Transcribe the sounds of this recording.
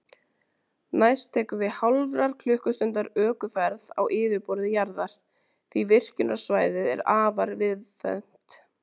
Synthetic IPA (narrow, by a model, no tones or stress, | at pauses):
najst̪ʰɛːkʏvɪhawlvɾaɾ̥kʰlʏhkʏst̪ʏnt̪aɾœːkʏfɛɾða̰wʔɪːvɪpɔɾðɪjaɾðaɾ̥ | θvivɪr̥cʏnḁsvaːjðɪðɛ̰ɾaːvaɾvɪðθɛ̰n̥t̪